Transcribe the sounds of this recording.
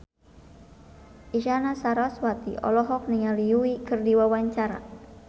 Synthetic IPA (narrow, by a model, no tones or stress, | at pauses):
ʔiʃanasaɾaswat̪ḭʔɔ̰lɔɦɔk̚niŋaliuikɨrdiwawaɲt͡ʃaɾa̰